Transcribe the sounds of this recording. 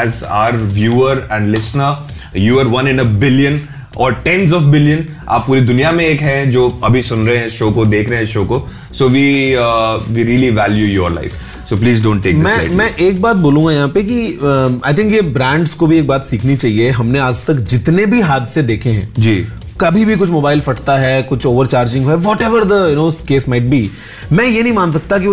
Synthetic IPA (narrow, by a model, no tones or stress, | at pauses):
ɛzaːəɾʋjuːəɾɛ̃ɳɖlɪsnə | juːəɾʋɐ̃nɪ̃nəbɪljə̃n | ɔːɾʈɛ̃nzɔːfbɪljə̃n | a̰ːpːuːɾid̪ʊnijamẽeːkɦɛ̃ɛ̃d͡ʒoːɐbʱisʊ̃nɾɐɦeɦɛ̃ʃoːkod̪eːkʰɾɐɦẽɛʃoːko | soːʋiː | ʋiːɾiəliʋæːljujɔːɾla̰ɪf | soːpliːzɖõːɳʈːeːkmɛ̃ːa̰ɪmɛ̃ʔeːk̚baːt̪̚boːlũːŋɡajɐɦãːpek̬iəa̰ːɪt̪ʰɪ̃ŋkjebɾɛ̃ːɳɖskobʱieːk̚baːt̪siːkʰnit͡ʃaːɦieɦɐmneaːd͡ʒt̪ɐkd͡ʒɪt̪nebʱiɦaːd̪sed̪eːkʰẽɦɛ̰̃ːd͡ʒiː | kɐbʱibʱikʊt͡ʃʰmoːbaːɪlfɐʈt̪aɦɛkʊt͡ʃʰoːʋəɾt͡ʃaːɾd͡ʒɪ̃ŋɡɦoɛʋɔːʈɛːʋəɾd̪əjʊnoːskeːsmaɪʈ̚bi | mɛ̃jenɐɦĩmãːns̬ɐk̚t̪ak̬i